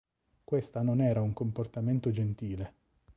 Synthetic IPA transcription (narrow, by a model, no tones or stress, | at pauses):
kwest̪anonɛːɾauŋkomport̪ament̪od͡ʒent̪iːle